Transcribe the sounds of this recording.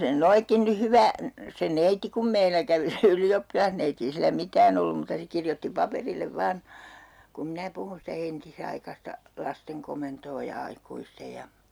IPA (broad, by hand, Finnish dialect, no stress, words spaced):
se nyn noikːin ny hyʋæ se neiti kum meilæ kæʋi se yliopːilɑhneiti ei silːæ mitæːn olːum muːtɑ se kirjotːi pɑperilːeʋ ʋɑːn kum minæ puhun sitæ entisɑikɑstɑ lɑsteŋ komentoː jɑ ɑikuistej jɑ